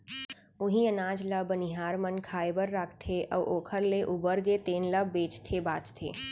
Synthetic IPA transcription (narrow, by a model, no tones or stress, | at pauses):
ʊɦĩənaːd͡ʒləbənɪɦaːɾmənkʰaːebəɾːaːkʰt̪ʰeʔɐʋʔoːkʰəɾleʔubəɾɡet̪eːnləbːeːt͡ʃt̪ʰebaːt͡ʃt̪ʰḛː